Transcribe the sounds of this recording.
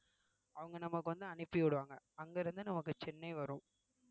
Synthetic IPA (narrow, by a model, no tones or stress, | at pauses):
ɐʋɐŋɡɐnɐmːɐkːɯʋɐnd̪ɯɐnɪpːijɪɽɯʋaːŋɡɐɐŋɡeːɾɯnd̪ɯnɐmɐkːɯt͡ʃɛnːɐɪʋɐɾʊ̃